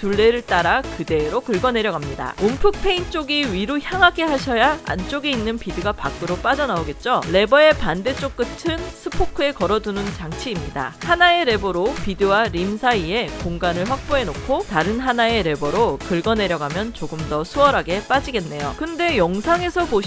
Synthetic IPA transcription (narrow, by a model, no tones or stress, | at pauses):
tuɭːe̞ɾɯɭt͈aɾakɯde̞ɾokɯɭɡʌne̞ɾjʌɡamɲida̰ompʰɯk̚pʰe̞int͡ɕ͈oɡiɥiɾoçjaŋɦaɡe̞ɦaɕʰʌjaa̰nt͡ɕ͈oɡeinːɯnpidɯɡapak͈ɯɾop͈ad͡ʑʌnaoɡe̞t̚t͡ɕ͈oɾe̞bʌe̞pande̞t͡ɕ͈ok̚k͈ɯtʰɯnsʰɯpʰokʰɯe̞kʌɾʌdunɯnt͡ɕaŋt͡ɕʰiːmɲida̰hanae̞ɾe̞boɾopidɯwaɾimsʰaie̞koŋɡanɯɭɸwak̚p͈oe̞nokʰotaɾɯnɦanae̞ɾe̞bʌɾokɯɭɡʌne̞ɾjʌɡamjʌnt͡ɕoɡɯmdʌsʰuʌɾaɡe̞p͈ad͡ʑiɡe̞nːe̞jokɯnde̞jʌŋsʰaŋe̞sʰʌpoɕ